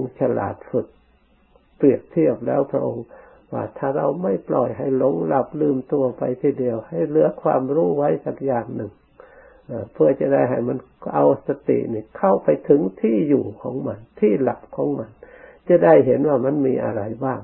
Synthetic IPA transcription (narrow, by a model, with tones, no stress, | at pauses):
ŋt͡ɕa˧la̰ː˨˩t̪̚fu˧˩t̪̚ | pli˨˩ək̚t̪ʰi˧˥˩əp̚lɛ̰ː˧˥˩wpʰɾa̰˧ʔo˧ŋ | wa̰ː˧˩t̪ʰaː˧˩ɾa˧wma˧˥˩jplɔː˨˩jɦa˧˩jlo˧˦ŋla˧˩p̚lɯː˧˩mt̪u˧ɐpa˧jt̪ʰiː˧˩di˧əwha˨˩jlɯ˨˦ɐkʰwaː˧mɾuː˧˩˨wa˧˥˨jsa˧˩k̚jaː˨˩ŋnɯ˨˩ŋ | ʔaː˧˩pʰɯ˧ɐt͡ɕa˧˩da˧˩jɦa˨˩jma˧˥˨n | ʔa˧wsa˧t̪ḭ˧˨ʔniː˧˩kʰa˧˩wpa˧jt̪ʰɯ˨˦ŋt̪ʰiː˧˥˩juː˨˩kʰɔː˨˦ŋma˧˥˨nt̪ʰiː˧˥˩la˧˩p̚kʰɔː˨˦ŋma˧˥nt͡ɕa˧˩da˧˩˨jɦe˧˦nwaː˧˩ma˧˥˨nmiː˧ʔa̰˧ɾa˧jbaː˧˩ŋ